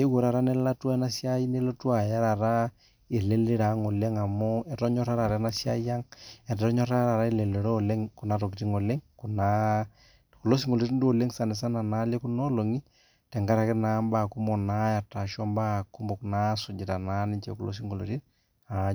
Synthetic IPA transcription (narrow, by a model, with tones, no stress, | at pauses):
i˦wo˨ɾa˨ɾa˦nɛ˦la˦tu˦a˦na˦sja˦i˦ne˦lo˦tu˦a˨ja˦ɾa˨ɾa˦ | e˨le˦le˦ɾa˨˦ŋo˨le˦ŋa˨mɔ˦ɛ˨tɔ˦ɲɔ˦ɾa˦ɾa˨ɾa˨˦na˦sja˦ja˦ŋɛ˨ttɔ˦ɲɔ˦ɾa˦ɾa˨ɾa˦i˦le˨le˨ɾo˦˨le˦ŋku˨na˦to˨ki˨ti˦ŋo˨le˦ŋku˨na˦ | ku˨lo˦s̬i˦ŋo˨lɾi˦ndo˨le˦ŋsa˨nɪ˨s̬a˦na˨na˦le˦ku˦no˦lo˨ŋi˦ | tɛ˨ŋɡa˦ɾa˨kɪ˦na˦mba˦˨ku˦mɔ˨na˦a˨ta˨ʃɔ˦mba˦˨ku˦mɔ˨kna˦sʊ˨d͡ʒɪ˨ta˨na˦nɪ˦t͡ʃḛ˨ku˨lo̰˦s̬i˦ŋo˨lo̰˨ɾi˦t | a˨